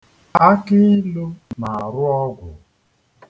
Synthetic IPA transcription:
a˦kɪ˦lu˦na˨a˨ɾʊ˦ɔ˦ɡʷʊ˨

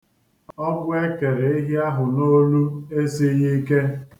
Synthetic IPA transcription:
ɔ˦ɡʷʊ˦e˦ke˨ɾe˨ɪ˦ɦja˦ɦʊ˨no˦lu˦e˦si˦ɣi˦ke˦

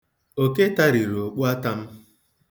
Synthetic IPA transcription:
o˦˨ke˦ta˦ɾi˨ɾo˨k͡pu˦a˦ta˦m̩˦

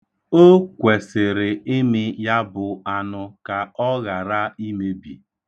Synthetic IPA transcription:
o˦kʷe˨sɪ˨ɾɪ˨ɪ˦mɪ˦ja˦bʊ˨a˨nʊ˨ka˨ɔ˦ɣa˨ɾa˦i˦me˦bi˨

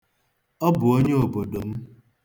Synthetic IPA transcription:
ɔ˦bʊ˨o˦ɲe˦o˨bo˨do˨m̩˦

